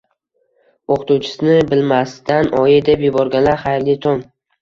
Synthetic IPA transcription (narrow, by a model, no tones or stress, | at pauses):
oqʰt̪uwt͡ʃʰɪ̥sɪnɪbɪlmast̪ʰanɒjɪd̪epjʊbɒɾɡʲanlaɾχajɾlɪt̪ʰɒn